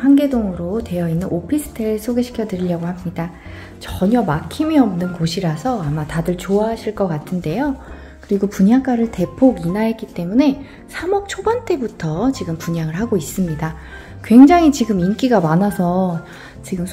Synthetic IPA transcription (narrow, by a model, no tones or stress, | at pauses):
hanɡe̞doŋɯɾotwe̞jʌinːɯnopʰisʰɯ̥tʰes͈ʰoɡe̞ɕʰi̥kʰjʌdɯɾiʎːjʌɡoɦhamɲida | t͡ɕʌɲʌmakʰimiʌmnɯnkoɕʰiɾasʰʌamatadɯɭt͡ɕoaɦaɕʰiɭk͈ʌk͈atʰɯnde̞jo | kɯɾiɡopuɲak͈aɾɯɭte̞pʰoɡinaek͈it͈e̞mune̞ | sʰamʌk̚t͡ɕʰobant͈e̞butʰʌt͡ɕiɡɯmpuɲaŋɯɭɦaɡois͈ɯmɲida | kwe̞ŋd͡ʑaŋɦit͡ɕiɡɯmink͈iɡamanasʰʌ | t͡ɕiɡɯm